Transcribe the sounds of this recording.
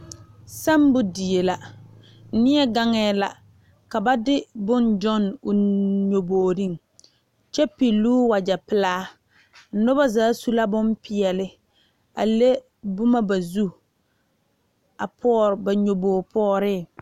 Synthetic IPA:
sa˦mbʊ˦di˨e˨la˨˦ | nɪ˦ɛ˦ɡa˦ŋɛː˦la̰˨ | ka˨ba˦dɪ˦bʊ˦nd͡ʒɔ˦nʊ˨ɲo˨boː˨ɾi˦˨ŋ | t͡ʃɛ˦pi˨lːuː˦wa˨d͡ʒa˨pɪ˨˦laː˦ | nʊ˦ba˦zaː˦su˦la˦bʊ˦mpɪ˨ɛ˨lɪ˦ | a̰˨le˦ | bʊ˦ma˦ba˨zu˦ | a˨pʰɔː˦ɾɪ˨ba˨ɲo˨boː˨pʰɔː˦ɾɪ˦˨

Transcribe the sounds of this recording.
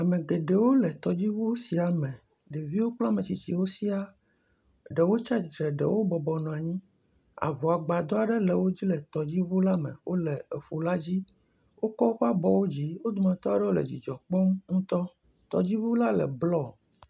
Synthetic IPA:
a˨mɛ̃˨ɡe˨ɖɛ˨wo˦lɛ˨t̪ɔ˨d͡ʑi˦βu˦o˦si˨a˨mɛ̃˨ | ɖe˨vi˦wo˦k͡plɔ˦mɛ̃˨t͡ɕi˨t͡ɕi˨wo˦si˦a˦ | ɖɛ˨wo˦t͡ʃa˦i˨t̪ɾɛ˨ɖɛ̰˨wo˦bɔ˨bɔ˨nɔ̃˨a˨ɲĩ˦ | a̰˨vɔ˨a˨ɡ͡ba˨d̪ɔ˦a˨ɖɛ˦lɛ˨wo˦d͡ʑi˦lɛ˨t̪ɔ˨d͡ʑi˦βu˦la˦mɛ̰̃˨wʔo˦lɛ˨e˨ɸu˨la˦d͡ʑi˦ | wo˦kɔ˦ɸa˦bɔ˨wo˦d͡ʑi˦wo˦d̪u˨mã˨t̪ɔ˦a˦ɖɛ˦wo˦lɛ̰˨d͡ʑḭ˨d͡ʒɔ˨k͡pɔ˦mŋũ˦t̪ɔ˦ | t̪ɔ̰˨d͡ʑi˦βu˦la˦lɛ̰˨blɔ˦˨

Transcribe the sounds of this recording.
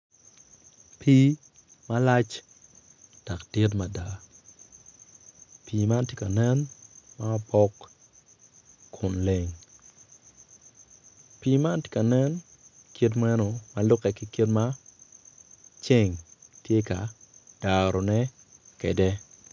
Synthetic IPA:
pʰi˦ | mala˦t͡ʃ | d̥a˨kd̥i˦t̬ma˨da˨ | pi˨ma˦nti˦ka˨nɛ˦nma˦pɔ˦k | ʊ˨nle˨ŋ | pi˨ma˦nti̥˨ka˨nɛ˦n | ki˦t̬mɛ˦no˨ma˨lʊ˦kɛ˨ki˨ki˦tma˦ | t͡ʃe˦˨ŋtjɛ˦ka˨d̥a˨ɾo˨nɛ˦ | kɛ˨dɛ˦

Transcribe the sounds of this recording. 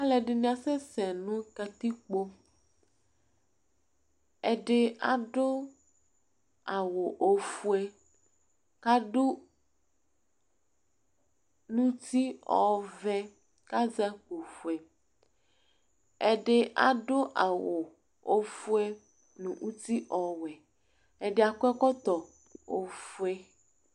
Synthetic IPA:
a˦lɛ˨ɖe˨nũ˦ã˨sɛ˦sɛ˨nũ˦ka˨t̪i˦k͡po˦ | e˦ɖe˦a̰˨ɖo˦ | a˨wo˨ʔo˨fu˦ɛ˦ | ka˦ɖo˦ | nũ˦t̪i˦ɔ̰˨vɛ˦ | ka˦za˦ko˨fu˨ɛ˨ | ɛ˦ɖe˦ʔa̰˨ɖo˦ʔa˨wo˨ | o˦fu˦ɛ˦ | nũ˨ʔu˦t̪i˦ʔɔ˨wɛ˨ | ɛ˨ɖɪ˦a˨kʷɛ˦kɔ˦t̪ɔ˨ | o˨fu˦ɛ˦

